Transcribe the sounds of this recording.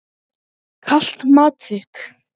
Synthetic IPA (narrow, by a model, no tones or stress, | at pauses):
kʰaɬt̪mat͡sʰet̪x